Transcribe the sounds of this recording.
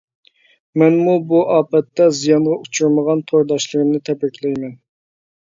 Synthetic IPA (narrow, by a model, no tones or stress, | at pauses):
mɛnmubuʔɑːpɛt̪ːɛzijɑnʁɑut͡ʃʰuɾməʁɑnt̪ʰoɾd̪ɑʃlˠəɾɨmnɨt̪ʰɛpɛkʲlɛjmɛn